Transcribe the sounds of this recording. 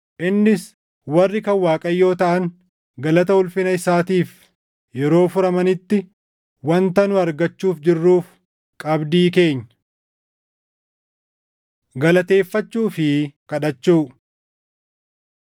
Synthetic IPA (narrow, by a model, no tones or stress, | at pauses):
ʔɪnːɪs | wɐrːɪkɐwaːkʼɐjːo̞ːt̪ɐʔɐŋ | ɡɐlɐt̪ɐʊlfɪnɐɪsaːt̪iːf | jɛɾo̞ːfʊɾɐmɐnɪt̪ːɪ | wɐnt̪ɐnʊɐɾɡɐt͡ʃːuːfd͡ʒɪrːuːf | kʼɐbd̪iːke̞ːɲːɐ | ɡɐlɐt̪e̞ːfːɐt͡ʃːuːfɪkɐᶑɐt͡ʃːuː